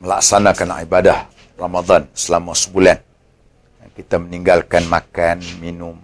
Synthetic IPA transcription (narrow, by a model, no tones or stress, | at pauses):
məla̰ksanakanibadah | ramad̪ɑnsəlamasə̥bulan | jakit̪aməniŋɡalkanmakanminʊm